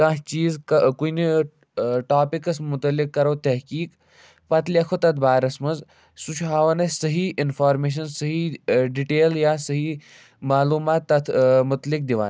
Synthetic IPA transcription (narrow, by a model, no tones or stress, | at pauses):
kɐ̃ɦt͡ʃiːzkuni | ʈaːpikɐsmʊt̪ɐlikːɐɾoːt̪ɐɦkiːk | pɐt̪liɐkʰot̪ɐt̪ʰbaːɾɐsmɐnz | sut͡ʃʰɦaːʋɐnɐsɐɦiʔɪnfʰaːɾmeːʃ̬ɐnsəɦiɖiʈeːljaːsɐɦi | maːluːmaːt̪ːɐt̪ʰmʊt̪lik̚d̪iʋa̰ːn